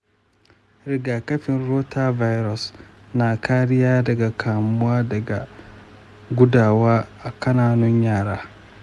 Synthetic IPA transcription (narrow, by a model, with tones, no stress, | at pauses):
ɾɪ˨ɡaː˨kɐ˦ɸɪ˨nɾoː˦tʰa˦va˦jɾɔ˨s | na˨kʰaː˦ɾɪ˦jaː˦dɐ˨ɡa˨kʰaː˨mʊ̃˦aː˦dɐ˨ɡa˨ | ɡu˦daː˨waː˦a˨kʰɐ˦naː˨nʊ̃˦ɲjaː˦˨ɾaː˦